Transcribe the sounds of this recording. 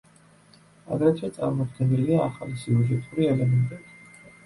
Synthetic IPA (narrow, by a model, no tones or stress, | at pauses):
a̰ɡɾɛt̪ʰwɛt̪sʼaɾmɔd̪ɡɛniliaːχalisiuʒɛt̪ʼuɾiɛlɛmɛnt̪ʼɛbi